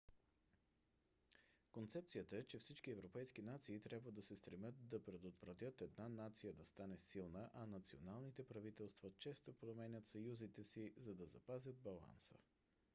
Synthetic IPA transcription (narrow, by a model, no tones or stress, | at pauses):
kont̪sɛp̚tsijət̪əɛt͡ʃɛfsit͡ʃkiɛvɾopɛjsk̟inat̪siːt̪ɾʲabvəd̪ɐsɛst̪ɾɛmjɤt̪̚d̪ɐpɾɛd̪ot̪v̥ɾɐt̪ʲjɤt̪ɛd̪nanat̪sijəd̪ɐst̪anɛsilˠnəʔɐnɐt̪sionalˠnit̪ɛpɾɐvit̪ɛlˠst̪vɐt͡ʃɛst̪opɾomɛnʲət̪sɐjuzit̪ɛsizɐd̪ɐzɐpazʲəd̪̚bɐlˠa̰nsə̰